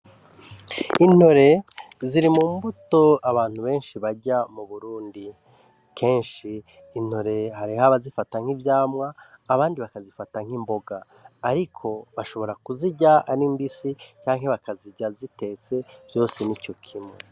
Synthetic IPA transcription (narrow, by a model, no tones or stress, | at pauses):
in̥o̞ɾe̞ | ziɾimumbuto̞aβaːn̥huβe̞ːnʃiβaɟamuβuɾuːndi | kʰe̞ːnʃiː | n̥ho̞ɾe̞ɦaɾihaβazifataŋ̥ivjaːmŋaːβaːndiβakazifataŋ̥himbo̞ɡaː | ɾikʰo̞βaʃo̞βo̞ɾakuziɟaanimbisicaːŋ̥he̞βakaziɟazite̞ːt͡se̞vjo̞ːsenico̞kʰimŋe